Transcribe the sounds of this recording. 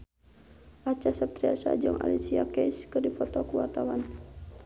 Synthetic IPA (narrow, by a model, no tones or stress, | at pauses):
ʔat͡ʃasap̚t̪ɾiasa̰d͡ʒɔŋʔa̰lisiakɛiskɨrdifɔt̪ɔkuwart̪awan